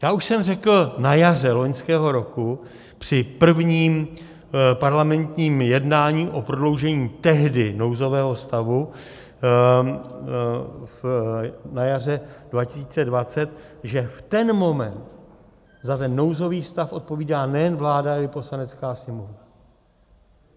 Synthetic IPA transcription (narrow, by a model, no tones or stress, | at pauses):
jaːʔuʃsɛmrɛkl̩najarɛlo̞ɲskɛːɦo̞ɾo̞ku | pr̥ɪpr̩vɲiːm | paɾlamɛnt̪ɲiːmjɛdnaːɲiːʔopɾodlo̞wʒɛɲiːt̪ɛɦdɪno̞wzo̞vɛːɦo̞st̪avu | f | najarɛdvacɪsiːt͡sɛdvat͡sɛt̪̚ʒɛft̪ɛnmo̞mɛnt̪ | zat̪ɛnːo̞wzo̞viːst̪afʔo̞t̪̚po̞viːdaːnɛjɛnvlaːdaalɪpo̞slanɛt͡skaːsɲɛmovna